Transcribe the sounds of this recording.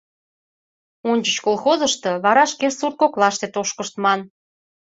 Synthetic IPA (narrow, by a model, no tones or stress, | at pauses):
onʲt͡ɕət͡ɕkolxozəʃt̪ɤ̽βɑɾɑʃkesurt̪̚koklɑʃt̪et̪oʃkəʃt̪mɑn